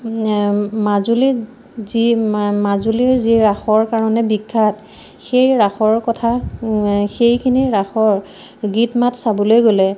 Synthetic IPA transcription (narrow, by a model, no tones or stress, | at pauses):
mazuli | zimazuliziɹaxɔɹkaɹɔnɛbikʰːat | xejɹaxɔɹkɔtʰa | xejkʰiniɹaxɔɹ | ɡitmatsabɔlojɡolɛ